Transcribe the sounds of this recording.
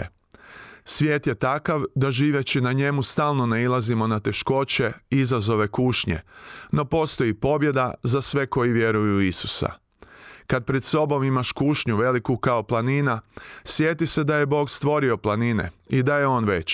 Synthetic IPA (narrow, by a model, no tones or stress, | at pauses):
sʋʲje̞ːt̪je̞t̪akaʋd̪aʒiːʋjet͡ɕinaɲe̞must̪aːlˠno̞neilˠazimo̞nat̪e̞ʃko̞t͡ɕe̞izazo̞ʋe̞kuːʃɲḛno̞po̞st̪o̞jipo̞bje̞d̪azasʋe̞ko̞jiʋje̞ɾujuisu̥sa̰ | kad̪̚pɾed̪so̞bo̞mimaʃkuːʃɲuʋe̞likukaoplˠaninasje̞t̪ise̞d̪aje̞bo̞ːɡst̪ʋo̞ɾio̞plˠanine̞̰id̪aje̞o̞ːnʋe̞t͡ɕ